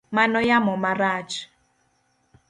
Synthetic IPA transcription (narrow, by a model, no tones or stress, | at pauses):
manɔjamɔmaraːt͡ʃi̥